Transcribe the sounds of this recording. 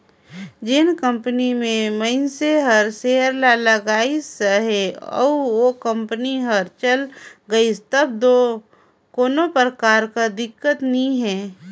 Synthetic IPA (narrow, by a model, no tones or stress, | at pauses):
d͡ʒɪnkə̃mpənimẽməɪnseɦəɾseɦəɾlaləɡaːisəɦɛɔ̰ːʋokə̃mpəniɦəɾt͡ʃəlɡəist̪əbd̪o | koːnopɾəkaːɾkad̪ɪkːət̪nĩɦɛ̃ː